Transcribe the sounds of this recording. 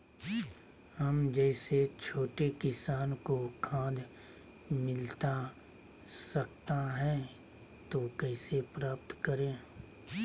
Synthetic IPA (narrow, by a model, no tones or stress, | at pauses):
hɐmd͡ʒɛːset͡ʃʰoːʈekɪsaːnkokʰãːd̪ | mɪlt̪a | sɐkt̪aɦɛ̃ | t̪okɛːsepɾaːpt̪kəɾẽː